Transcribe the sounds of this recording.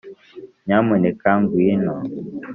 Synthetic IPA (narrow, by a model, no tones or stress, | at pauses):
ɲamunɛkaŋɡwinɔ